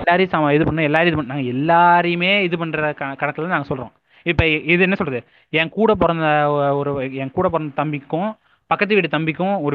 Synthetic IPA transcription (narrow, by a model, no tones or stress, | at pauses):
lːaːɾesaːmaɪðɯpɐɳːɯ̃ɛlːaːɾɪðɯpɐɳnaːŋɡɐɛlːaːɾɐjɯmeːɪðɯp̬ɐɳɾɐkɐkɐɽɐkːɐlːãːnaːŋɡɐsɔlɾõ̰ː | ɪpːoːɪðɯɛnːɐsɔlrɐðɯ | ɛ̃ːŋkuːɽɐp̬ɔɾɐnd̪ɐɔɔɾɯɛːŋkuːɽɐp̬ːɔɾɐnd̪ɐt̪ɐmbɪkːʊ̃ | pɐkːɐt̪ːɯʋiːʈ̬ːɯt̪ɐmbɪkːʊ̃ɔɾɯ